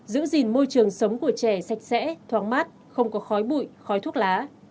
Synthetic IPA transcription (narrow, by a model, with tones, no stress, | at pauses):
zɨ̰˧˥zi˨˩nmo˧jt͡ɕɨ˨˩əŋsə˨˦wŋ͡mku˧˩ət͡ɕɛ˧˩sa˨˩k̚sɛ̰˧˥t̪ʰwaː˨˩ŋmaː˦˥t̚ | xə˧wŋ͡mkɔ˨˦xɔ˨˦jɓṵ˧˨jxɔ˨˦jt̪ʰu˦˥ət̚laː˨˦